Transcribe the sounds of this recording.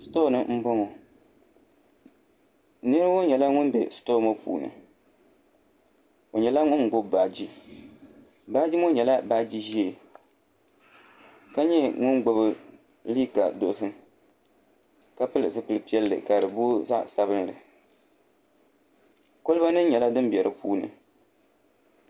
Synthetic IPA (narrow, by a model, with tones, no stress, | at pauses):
sto˦˨nɨ˦m̩˦bo˦ŋo˨ | nɨ˦ɾo˦ɲɛ˨la˦ŋʊ˦nbɛ˨sto˦mo˦pʰṵː˨nɨ̰˨ | o˨ɲɛ˨la˦ŋʊ˦nɡ͡bo˦bbaː˨d͡ʒi˦ | baː˦d͡ʒi˦mo˦ɲɛ˨la˦ba˦d͡ʒi˦ʒi˦e˨ | ka˦ɲɛ˦ŋʊ˦nɡ͡bo˦bɨ˦ | liː˦ka˨do˨˦sɨ˦n | ka˦pɨ˦lɨ˨sɨ˦pɨ˨lɨ˨pi˦ɛ˦lːɨ̰˨ka˨dɨ˨bo˦za̰˦sa˦βɨ˦nlɨ˨ | ko˦lba˦nɨ˦ɲɛ˨la˦dɨ˦mbi˨ɛ˨ɾʔɨ˦pʰṵː˦nɨ̰˨